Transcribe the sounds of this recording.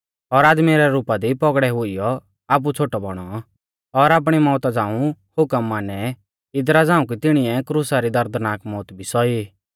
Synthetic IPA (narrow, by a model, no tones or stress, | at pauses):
ɔɾaːd̪miɾɛɾuːpad̪ipɔɡɽɛɦʊijɔ | aːp̬ut͡sʰoːʈɔbɔɽ̃ɔ | ɔɾaːp̬ɽ̃imɔːt̪ad͡zãːũ | hʊkəmːanɛ | ɪd̪ɾad͡zãːũkit̪ɪɽ̃ɪɛ̃kɾusaɾid̪ɐɾd̪naːkmɔːt̪bʱisɔi